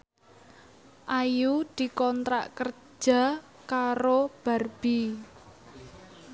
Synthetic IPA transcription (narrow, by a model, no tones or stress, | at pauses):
ʔajud̪̥i̤kɔnt̪ɾa̰ʔkər̥ | d͡ʒ̥a̤ | kaɾob̥a̤rb̥i